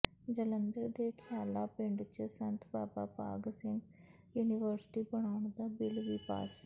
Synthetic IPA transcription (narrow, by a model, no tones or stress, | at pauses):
d͡ʒələnd̪əɾd̪eːkʰjaːlaːpɪɳɖt͡ʃəsənt̪ʰpaːpaːpa̰ːɡsɪ̃ŋɡ | juːniʋəɾsʈiːbəɳ̃aːʊɳd̪aːbɪlʋiːpa̰ːs